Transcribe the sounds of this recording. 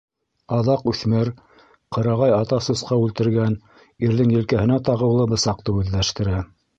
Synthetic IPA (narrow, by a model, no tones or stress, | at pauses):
ɑðɑqʉθmɘɾ | qɤ̆ɾɑʁɑjɑt̪ɑsusqɑʉlt̪ɘ̆ɾɡæn | iɾðɘŋjɘ̆lkæhɘ̆næt̪ɑʁɤ̆wlˠɤbɤ̆sɑq̚t̪ɤʉðːæʃt̪ɘ̆ɾæ